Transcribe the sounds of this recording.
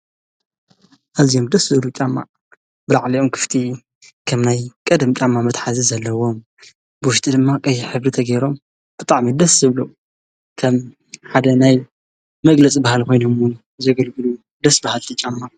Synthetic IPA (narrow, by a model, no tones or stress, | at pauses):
ʔazijo̞md̪ɐszɨlut͡ʃʼamːa̰ | bɨlaʕliʔo̞mkʰɨ̥ft̪ʰʼi | kʰɐmnajkʼɐd̪mt͡ʃʼamːamɐt̪ħazizɐlːɐwo̞m | b̥ɨwʊʃt̪ʼid̪ɨmːakʼɐjːɪħɨβɾit̪ʰɐɡɐjɾo̞m | b̥ɨt̪ʼaʕmid̪ɐszɨβlu | kʰɐm | ħad̪ɐnaj | mɐɡlɐt͡sʼibahalko̞jnomwun | zɐɡɐlɡɨlu | d̪ɐsbahalt̪ʰit͡ʃʼamːa